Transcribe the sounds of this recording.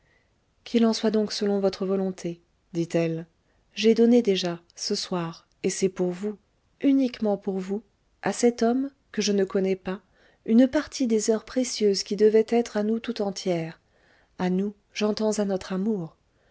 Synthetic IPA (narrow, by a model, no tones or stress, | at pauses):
kʰʲilɑ̃swad̪ɔ̃ksəlɔ̃vɔt̪χəvɔlɔ̃t̪ʰe | d̪it̪ɛl | ʒɛd̪ɔned̪eʒa | səswaʁ | esɛpuʁvu | ynikmɑ̃puʁvu | asɛt̪ɔm | kəʒənəkɔnɛpa | ynpaʁt̪ʰid̪ezœʁpχesjøzkʲid̪əvɛt̪ɛt̪χanut̪ut̪ɑ̃t̪ʰjɛːʁ | anu | ʒɑ̃t̪ɑ̃zanɔt̪χamuːʁ